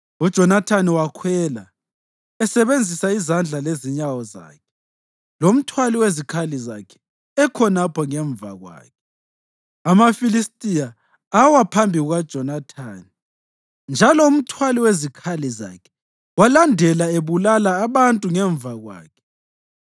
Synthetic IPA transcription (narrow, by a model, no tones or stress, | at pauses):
ud̥ʒ̥ʱɔnatʰaniwakʰwɛla | ɛsɛβend͡zʱisaizand͡ɮʱaleziɲawɔza̰ːkʰɛ̥ | lom̩tʰwaliwezikʰaliza̰kʰɛ̥ | ɛkʰɔnapʰɔŋɛɱb̪va̰ɣwa̰ːkʰɛ̥ | amafilistʼija | awapʰambʱiɣuɣad̥ʒ̥ʱɔnatʰaːni | nd͡ʒʱalɔum̩tʰwaliwezikʰaliza̰kʰɛ̥ | walandʱɛlaeβulalaːβantʼuŋɛɱbvaɣwa̰ːkʰɛ̥